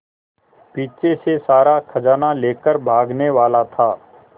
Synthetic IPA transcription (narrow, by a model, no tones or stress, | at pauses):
piːt͡ʃesesaːɾakʰɐd͡ʒaːnaleːkəɾbʱaːɡneʋaːlat̪ʰaː